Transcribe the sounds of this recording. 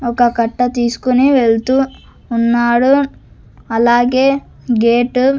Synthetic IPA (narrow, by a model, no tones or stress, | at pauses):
ɔkɐkɐʈːɐt̪iːsu̥koniʋeɭt̪uː | nːaːɽu | ɐlaːɡeː | ɡeːʈ